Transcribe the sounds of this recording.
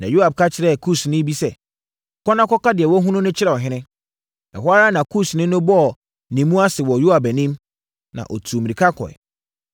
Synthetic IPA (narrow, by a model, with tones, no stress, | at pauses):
nã˨ju˦a˨b̚kʰa˦t͡ɕʰɪ˨ɾɛ˦˨kʰu˦snɪ̃˦bi˦sɛ˦˨ | kʰɔ˦nã˦kʰɔ˦ka˦dɪ˨ɛ˨wɔ˦ɦũ˦nʊ̃˦nʊ̃˦t͡ɕʰɪ˦ɾɛ˨ɔ˨ɦɪ̃˦nɪ̃˦ | ɛ̰˨ɦa˦ɾa˦nã˨kʰu˦snɪ̃˦nʊ̃˦bɔ˦ɔ˨ | nĩ˨mũ˦a˦sɪ˨wɔ˨ju˦a˨bæ˨nĩ˦m | nã̰˨ʔɔ˨tʰu˨mĩ˨ɾi˨kʰa˦kʰɔ̰˨ɛ̰˨